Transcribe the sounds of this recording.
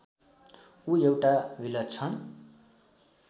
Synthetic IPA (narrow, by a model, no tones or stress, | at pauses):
uewʈabilʌt̪̚t͡sʰʌn